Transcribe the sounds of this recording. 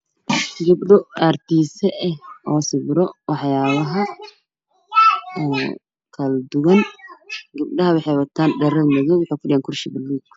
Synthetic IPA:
ɡɐbɖɔart̪ʰiːsɛʔɛhɔːsɪβɾɔwɑħjaːβɐɦɐ | ɔː | kʰɐld̪ʊɣɐn | ɡɐbɖɐɦɐwɑħɛjwɐt̪ʰaːnɖɛɾɐlmɐðɔːwʊħɑjkʰʊɗɪjaŋkʰʊrʃɪbɪlːuːɡ

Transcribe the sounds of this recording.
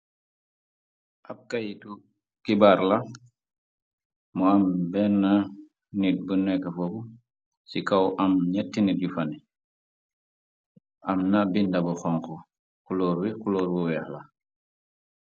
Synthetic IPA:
ʔap̚kajtu | kibaɾla | mɔambɛnːa | nit̚bunɛkːafobu | sikawʔamɲɛtːiniɟufani | amnabindabuxɔŋku | kuloɾwikuloːɾwuwɛxla

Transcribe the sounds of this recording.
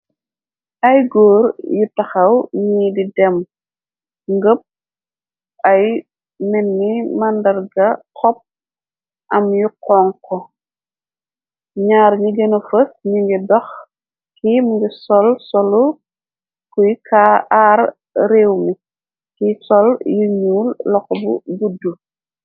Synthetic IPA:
ʔɐjɡɔːɾjutɐxɐwɲiːdidɛm | ŋɡəp̚ | ɐj | mɛnːimɐndɐɾɡɐkɔp̚ | ʔɐmjukɔːŋkɔ | ɲaːɾɲiɡɛnɐfəsɲuŋɡɛbɐx | kimuɡɛsɔlsɔlu | kujkʰaar | ɾeːwmi | kisɔljuɲuːllɔkɔbuɡudːu

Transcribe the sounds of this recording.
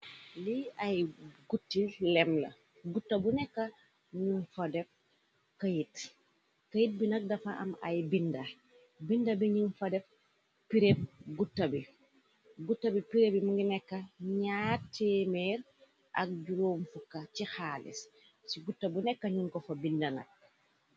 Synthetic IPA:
liɐjɡutːillɛmlɐ̰ | ɡutːɐbunɛkːɐ | ɲunfɐdɛf | kɐjit | kɐjit̚binɐk̚dɐfɐʔɐ̰mɐ̰jbinda | bindɐbiɲunfɐdɛf | piɾep̚ɡutːɐbi | ɡutːɐbipiɾebimuŋɡinɛkːɐɲatːemɛːɾ | ʔɐ̰k̚ɟuɾoːmfukːat͡ʃixalḭs | siɡutːɐbunɛkːɐɲuŋkɔfɐbindɐnɐ̰k̚

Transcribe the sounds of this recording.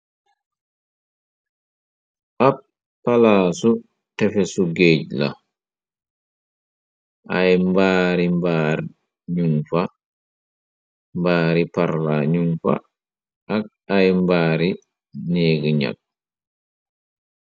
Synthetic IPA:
ʔap | pːalaːsu | tɛfɛsuɡeːɟ̚la̰ | ʔajmbaːɾimbaːɾ | ɲuŋfa | mbaːɾipaɾlaɲuŋfa̰ | ʔɐk̚ | ajmbaːɾi | neːɡəɲa̰k̚

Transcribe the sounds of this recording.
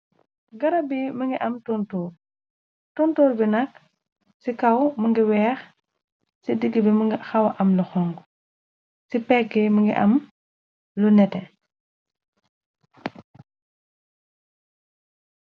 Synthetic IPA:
ɡɐɾɐbiməŋɡiʔɐmtɔntɔːr | tɔntɔːɾbinɐk | sikɐwməŋɡiwɛːx | sidəɡːəbiməŋɡxɐwɐʔɐmluxɔŋɡ | sipɛkːɛməŋɡḭʔɐ̰m | lunɛtɛ

